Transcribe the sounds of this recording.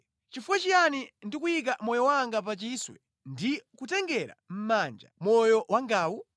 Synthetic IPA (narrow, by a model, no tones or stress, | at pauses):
t͡ʃifuwɛt͡ʃijanindikujik̬amɔjɔwaŋɡap̬at͡ʃiswɛ | ndikutɛŋɡɛɾa̰m̩maːnd͡ʒa̰mɔjɔwaŋɡaːwu